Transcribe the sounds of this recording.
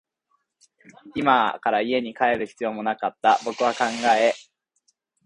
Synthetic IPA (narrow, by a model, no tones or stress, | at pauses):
imakaɾaie̞ɲ̟ikae̞ɾɯ̟çi̥t͡sɨjo̞ːmo̞nakat̪ːabo̞kɯ̟βakãŋɡae